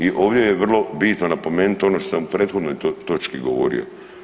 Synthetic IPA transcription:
iʔoːʋd̪jejeʋr̩lˠo̞bit̪nonapo̞meːnut̪o̞noʃt̪osamupɾeːt̪xo̞d̪nojot̪o̞t͡ʃkiɡo̰ʋo̰ɾḭo̞̰

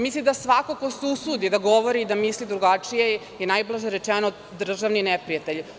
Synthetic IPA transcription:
mislid̪asʋakoko̞susud̪id̪aɡo̞ʋoɾiːd̪amislid̪ɾuɡat͡ʂije | inajblaʒeɾet͡ʂeno | d̪r̩ʒaʋninepɾijat̪eʎ

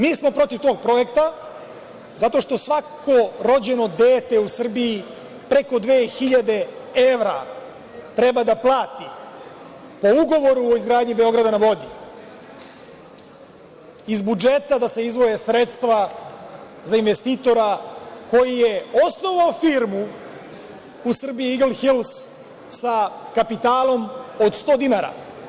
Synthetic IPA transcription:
miːsmo̞pɾo̞t̪iʋt̪o̞ːɡ̚pɾo̞je̞kt̪a | zat̪o̞ʃt̪o̞sʋako̞ɾo̞d͡ʑe̞no̞d̪eːt̪e̞usr̩bii | pɾe̞ko̞d̪ʋeːxiʎad̪e̞e̞ʋɾa̰ | t̪ɾe̞bad̪aplˠaːt̪i | po̞uɡo̞ʋo̞ɾuoizɡɾaːd̪ɲibe̞o̞ɡɾad̪anaʋo̞d̪i | izbud͡ʒe̞t̪ad̪ase̞izʋo̞je̞sɾe̞t̪st̪ʋa | zainʋe̞st̪iːt̪o̞ɾako̞jije̞o̞sno̞ʋaofiːɾmu | usr̩biiiɡlˠxilˠs | sakapit̪aːlˠo̞mo̞d̪st̪o̞ːd̪inaɾa̰

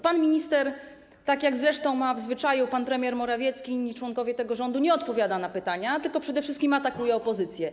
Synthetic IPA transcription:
panmʲiɲist̪ɛɾ | t̪akʲjaɡzɾɛʂt̪ɔ̃w̃mavzvɘt͡ʂajupanpɾɛmʲjɛɾmɔɾavʲjɛt̪skʲiɲit͡ʂwɔŋkɔvʲjɛt̪ɛɡɔʐɔnd̪uɲɛɔt̪pɔvʲjad̪anapɘt̪aɲat̪ɘlkɔpʂɛd̪ɛfʂɘst̪kʲimat̪akujɛɔpɔzɘt̪sʲjɛ

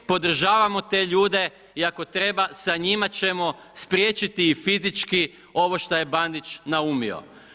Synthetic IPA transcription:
po̞d̪r̩ʒaːʋamo̞t̪e̞ːʎuːd̪e̞ | iako̞t̪ɾe̞basaɲimat͡ɕe̞mo̞ | spɾje̞ːt͡ʃit̪iːfizit͡ʃki | o̞ʋo̞ʃt̪oje̞band̪it͡ʃnaumio̰

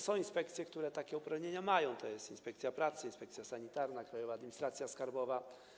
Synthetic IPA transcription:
sɔ̃w̃inspɛkt̪sʲjɛkt̪uɾɛt̪akʲɛupɾavɲeɲamajɔ̃w̃t̪ɔjɛst̪inspɛkt̪sʲjapɾat̪sɘinspɛkt̪sʲjasaɲit̪aɾnakɾajɔvaːd̪mʲiɲist̪ɾat̪sʲjaskaɾbɔva

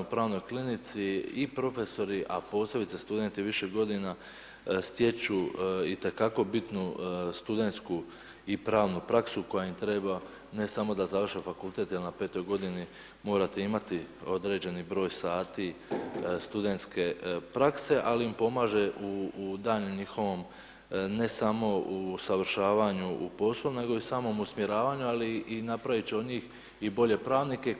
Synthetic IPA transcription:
upɾaːʋno̞jklinit̪siipɾo̞fe̞so̞ɾiʔa̰po̞se̞bit̪sest̪ud̪e̞nt̪iʋiʃeɡo̞d̪ina | st̪je̞t͡ʃuit̪e̞kako̞bit̪nust̪ud̪e̞nt̪sku | ipɾaːʋnupɾaksuko̞jaimt̪ɾeba | ne̞samo̞d̪azaʋr̩ʃefakult̪e̞t̪je̞lnape̞ːt̪o̞jɡo̞d̪ini | mo̞ːɾat̪eimat̪io̞d̪ɾe̞ːd͡ʑe̞nibɾo̞ːjsaːt̪i | st̪ud̪e̞nt̪ske̞pɾakse̞ʔaliimpo̞maːʒe̞ʔud̪aːʎeɲixo̞ʋo̞m | ne̞samo̞usaʋr̩ʃaːʋaɲuupo̞slˠoune̞ɡo̞isaːmomusmje̞ɾaːʋaːɲualiinapɾaʋit͡ɕeo̞d̪ɲiːx | ibo̞ʎe̞pɾaːʋnike̞

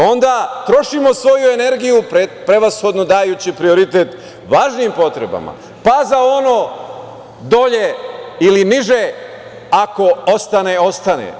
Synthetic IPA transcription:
o̞nd̪at̪ɾo̞ʃimo̞sʋo̞jue̞ne̞ɾɡijupɾepɾeʋasxo̞d̪no̞d̪aːjuːt͡ɕipɾio̞ɾit̪e̞t̪ | ʋaːʒniːmpo̞t̪ɾḛba̰ma̰ | pazao̞no̞ː | d̪o̞ʎeiliniʒe | ako̞ost̪aneo̞st̪anḛ

